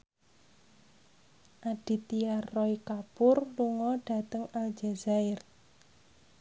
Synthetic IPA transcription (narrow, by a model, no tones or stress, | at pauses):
ʔaɖ̥i̤t̪iarːɔikapʊrluŋɔɖ̥a̤t̪əŋald͡ʒazaɪr